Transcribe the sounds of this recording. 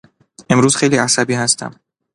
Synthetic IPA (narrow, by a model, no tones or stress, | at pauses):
e̞mɾuːz̥xe̞jliːæsæbiːhæst̪ʰæ̰m